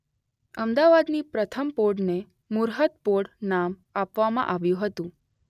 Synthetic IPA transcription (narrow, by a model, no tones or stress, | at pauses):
əmd̪aʋad̪nipɾət̪ʰəmpoɖne | muɾɦət̪poɽnamapʋamã̰ʔaʋjũɦət̪ũ